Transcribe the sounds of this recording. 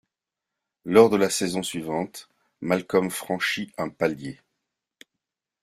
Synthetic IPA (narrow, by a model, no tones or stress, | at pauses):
lɔʁd̪əlasezɔ̃sɥivɑ̃t̪ | malkɔmfχɑ̃ʃiɛ̃palje